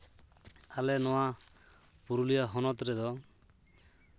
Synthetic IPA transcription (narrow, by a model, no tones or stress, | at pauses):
alɛnɔwa | puɾulijaɦɔnɔt̪ɾɛd̪ɔ